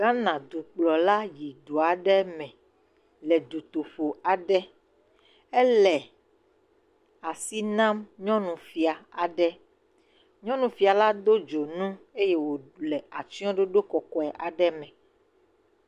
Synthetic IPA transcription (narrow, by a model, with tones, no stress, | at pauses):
ɡa˦nã˨d̪u˨k͡plɔ˨la˦ji˨d̪o˨a˨ɖɛ˦mɛ̃˨ | lɛ˨d̪u˨t̪o˨ɸo˨a˨ɖɛ˦ | ɛ˦lɛ˨ | a˨si˦nã˦mɲɔ̃˦nũ˨fi˨a˨a˨ɖɛ˦ | ɲɔ̃˦nũ˨fi˨a˨la˦d̪o˦d͡ʒo˨nũ˦e˦je˦wo˨lɛ˨a˨t͡ʃi˦ɔ̃˦ɖo˦ɖo˦kɔ˨kɔ˦ɛ˨ʔa˨ɖɛ˦mɛ̃˨